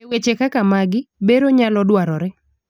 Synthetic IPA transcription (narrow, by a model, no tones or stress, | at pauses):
ewet͡ʃekakamaɡɪbeɾoɲalɔdwaɾɔɾɛ